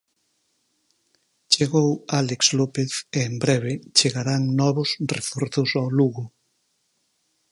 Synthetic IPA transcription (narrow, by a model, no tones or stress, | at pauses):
t͡ʃeɣowalekslopeθeːmbɾɛβ̞et͡ʃeɣaɾaŋnɔβʊsrḛfuɾθʊsawluɣʊ